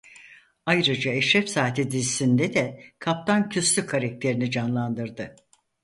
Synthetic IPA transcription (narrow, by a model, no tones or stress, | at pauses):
ajɾɯd͡ʒaɛʃɾɛfsaːt̪ʰid̪izisind̪ɛd̪ɛkʰap̚t̪ʰancʰyslʲykʰaɾak̚t̪ʰe̞ɾinid͡ʒanlˠand̪ɯɾd̪ɯ